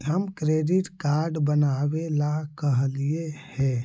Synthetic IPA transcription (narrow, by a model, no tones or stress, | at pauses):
ɦəmkɾeɖiʈkaɾɖbənabelakəɦliehɛ